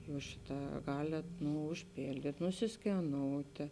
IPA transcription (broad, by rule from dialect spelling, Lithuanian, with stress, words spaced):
ˈjuːs ˈʃʲɪˌtɑː ˈɡɑːlʲeːt ˈnʊ ʊʃʲˈpʲeːlʲdʲiːtʲ nʊsʲɪsʲkʲɛˈnoːʊtʲeː